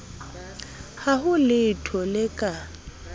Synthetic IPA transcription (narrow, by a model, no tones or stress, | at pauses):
hahʊlɪtʰɔlɪkʼa